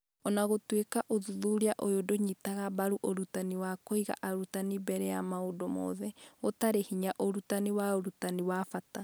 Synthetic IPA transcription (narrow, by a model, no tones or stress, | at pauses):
ɔnaɣotwekaʔoðuðuɾiaʔojodoɲitaɣabaɾuʔoɾutaniwakoiɣa̰ʔaɾutanibɛɾɛjamaodomɔ̰ðɛotaɾehiɲaʔoɾutaniwaoɾutaniwafata